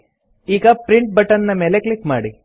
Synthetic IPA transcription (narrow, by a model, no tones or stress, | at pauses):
iːɡɐpɾiɳʈ̚bɐʈɐnːɐmeleklikmaːɽi